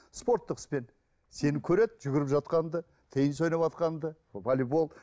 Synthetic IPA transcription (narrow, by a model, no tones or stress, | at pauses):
spo̞ɾt̪ːəqə̥spe̞n | se̞nɪkʲʰɵɾe̞d̪ʒʏɡʲɪɾɪpʒɑt̪̚qɑnd̪ə | t̪ʰəjɪnso̞jnɑpɑt̪qɑnd̪ə | volʲebo̞lˠ